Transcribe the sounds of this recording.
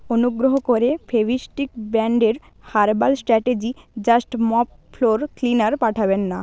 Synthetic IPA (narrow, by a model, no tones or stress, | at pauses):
onuɡɾoɦokoɾefʰebiʃʈikbɛɳɖeɾ | haɾbalsʈɾɛʈed͡ʑid͡ʑasʈmɔpfloɾklinaɾpaʈʰabenːa